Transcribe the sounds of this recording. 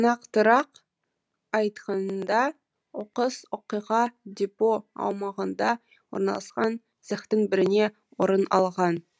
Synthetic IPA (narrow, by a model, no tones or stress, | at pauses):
nɑqt̪əɾɑq | ɑjt̪qɑnnd̪ɑ | woqəswoqijʁɑd̪ʲepoɑ̰wmɑʁənd̪ɑ | wo̞̰ɾnɑ̰lˠɑsqɑn | zəχt̪əɴbɪɾɪne̞ | woɾənɑ̰lˠʁɑn